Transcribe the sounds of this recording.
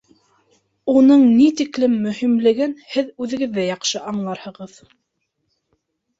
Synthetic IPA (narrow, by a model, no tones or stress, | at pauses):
unɤɴnit̪iklɘmːɵ̆himlɘ̆ɡɘnhɘðʉðɘ̆ɡɘ̆ðːæjɑqʃɤʔɑɴlˠɑɾhɤ̆ʁɤð